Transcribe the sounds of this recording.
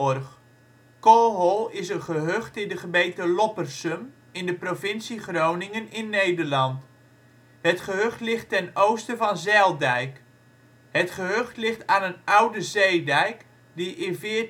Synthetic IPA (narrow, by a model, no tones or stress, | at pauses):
ɔrχ | kolˠɦolˠɪsənχəɦøχtɪndəχəbejtəlɔpərsəm | ɪndəprovɪnsiχrownɪŋənɪnːejdəɹlɑnt | ɦətχəɦøχtlɪχtɛnowstəvɑnzɛlˠdɛjk | ɦətχəɦøχtlɪχtaːnənʌwdəzejdɛjk | diʔɪnvɪː